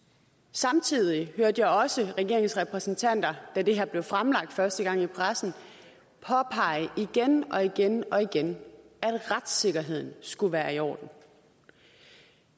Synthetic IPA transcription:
sɑ̈mt͡sʰið̞̰ˠihøɐd̥jɑ̈ɒ̽səʁɛɡ̥e̝ɐ̰e̝ŋsʁɛpʰʁɛsn̩t͡sʰæn̰d̥ɐd̥æd̥e̝ɦeɐ̰ble̝ʊfʁamlɑ̈ɡ̥̚d̥fɶɐsd̥əɡ̥ɑ̈ŋ̰ipʰʁasn̩ | pʰɒ̽pʰɑ̈ɪ̰əʔiɡ̥enʔɒ̽iɡ̥enɒ̽iɡ̥en | æd̥ʁad̥se̝ɡ̥ɐɦe̝ð̞̰ˠn̩sɡ̥uʋæːɐiɒ̰ːd̥n̩

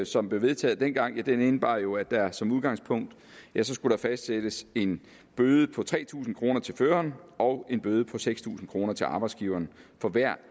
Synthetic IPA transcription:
sɒ̽mb̥le̝ʊʋe̝ð̞ˠt͡sʰɛ̰ːð̩ˠd̥en̰ɡ̥ɑ̈ŋ̰jæd̥enenəb̥ɑ̰̈jo̝æd̥æɐsɒ̽muðˠɡ̥ɑ̈ŋspʰɔ̽ŋ̰d̥ | jæsɒ̽sɡ̥uɾ̥ɑfæsd̥sed̥əse̝n | b̥øːð̞ˠəpʰɒ̽t͡sʰʁɛ̰ːt͡sʰṵːsn̩kʰʁo̝ːnɐt͡sʰe̝lføːɐnʔɒ̽ʊe̝nb̥øːð̞ˠəpʰɒ̽seɡ̥st͡sʰṵːsn̩kʰʁo̝ːnɐt͡sʰe̝lɑ̈ːb̥ɑ̈ɪdsɡ̥iːʊɐːnfɒ̽ʋæɐ̰

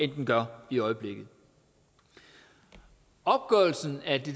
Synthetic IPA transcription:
end̥n̩ɡ̥ɶɐ̰iɒ̽ɪəb̥le̝ɡ̥ð̩ˠ | ɒ̽b̥̚ɡ̥œɐl̩sn̩æd̥e̝

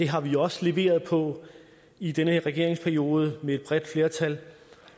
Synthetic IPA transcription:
d̥e̝ɦɑ̈ʋiɒ̽səle̝ʋe̝̰ːɐð̞ˠpʰɒ̽ | id̥enəhe̝ɐʁɛɡ̥e̝ɐeŋspʰæɐio̝ːð̞ˠəmeed̥̚b̥ʁɛd̥fle̝ːɐt͡sʰæl

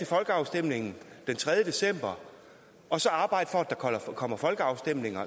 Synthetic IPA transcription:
e̝fɒ̽lɡ̥əɑ̈ʊsd̥em̰le̝ŋn̩d̥ent͡sʰʁɛð̞ˠjəd̥e̝sem̰b̥ɐ | ɒ̽sɒ̽ɑ̈ːb̥ɑ̈ɪ̰d̥ə̥fɒæd̥ɑ̈kʰɒlɐkʰɒ̽m̰ɐfɒ̽lɡ̥əɑ̈ʊsd̥em̰ne̝ŋɐ

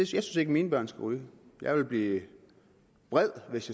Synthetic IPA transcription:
ejaɪsynse̝ɡ̥əmiːnəb̥ɶɐ̰nsɡ̥æʁyːjɑ̈ɪʋe̝lb̥liː | b̥ʁɛð̰ˠʋe̝sjɑ

